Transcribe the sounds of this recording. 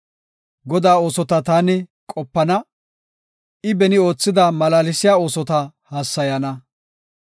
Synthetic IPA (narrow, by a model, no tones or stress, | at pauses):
ɡɔd̪aːo̞ːsɔt̪ɐt̪aːnɪkʼɔpːɐnɐ | ɪbɛnɪo̞ːt͡sːɪd̪ɐmɐlaːlɪsɪjaːo̞ːsɔt̪ɐhaːsːɐjɐnɐ